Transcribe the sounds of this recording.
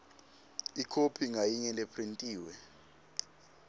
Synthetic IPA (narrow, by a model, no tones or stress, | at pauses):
ikʰopʰiŋajiɲɛlepʰrintʼiːwɛ